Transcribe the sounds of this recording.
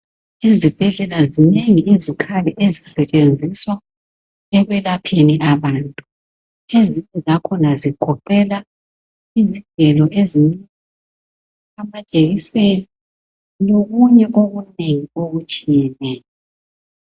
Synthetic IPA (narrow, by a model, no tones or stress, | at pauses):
ezib̥ʱɛɮɛlazineŋiʔizikʰaliʔezisɛt͡ʃʼend͡zʱiswa | ɛɣwɛlapʰeniʔaβaːntʼu | eziɲɛzakʰɔnaziɡ̥ʱɔǃɛla | iziŋɛlɔʔeziŋ͡ǀi | amat͡ʃʼeɣiseli | loɣuɲɛʔoɣuneŋioɣut͡ʃʼijɛnɛːjɔ